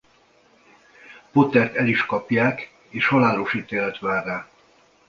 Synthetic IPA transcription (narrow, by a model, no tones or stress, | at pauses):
pot̪ɛrt̪ɛliʃkɒpjaːk | eːʃhɒlaːloʃiːt̪eːlɛt̪ʋaːrːaː